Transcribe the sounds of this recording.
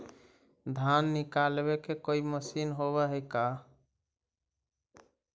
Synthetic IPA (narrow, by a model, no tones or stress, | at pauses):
d̪ʱanːikalbekekoiməsinɦoβɛɦəjka